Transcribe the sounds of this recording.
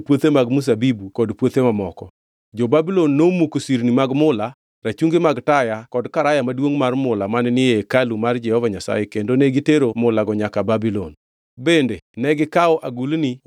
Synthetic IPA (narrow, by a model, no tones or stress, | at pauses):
pwot̪emaɡmus̬abibukɔdpwot̪emamɔkɔ | d͡ʒobabilɔnːomukosiɾnimaɡmʊla | ɾat͡ʃuŋɡemaɡtajakɔdkaɾajamadwoŋmarmʊlamannɪekalumard͡ʒɛhɔvaɲasa̰jekendoneɡiteɾomʊlaɡɔɲakababilɔn | bendenɛɡɪkaɔʔaɡulni